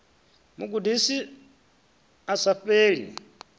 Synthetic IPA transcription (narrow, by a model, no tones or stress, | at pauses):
muɡudisi | asaɸeːɺḭ